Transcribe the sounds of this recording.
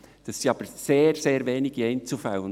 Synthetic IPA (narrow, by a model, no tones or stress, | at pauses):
d̥ɑsiɑːb̥əɾseːɾseːɾveːnɪɡ̥eɪnt͡sufaʊən